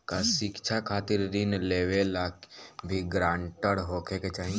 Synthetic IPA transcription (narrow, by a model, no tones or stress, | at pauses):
kaʃɪkt͡ʃʰakʰaːt̪ɪɾɾinleːʋelaːkbʱiɡɾãːɳʈəɽɦoːkʰeket͡ʃaːɦĩ